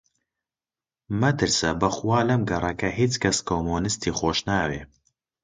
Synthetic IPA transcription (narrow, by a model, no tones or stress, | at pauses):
mɐt̪ɨɾsɐbɐxuwaːlɐmɡɐrˤɐkɐɦiːt͡skʰɐskʰoːmoːnɨst̪ʰiːxoːʃnaːweː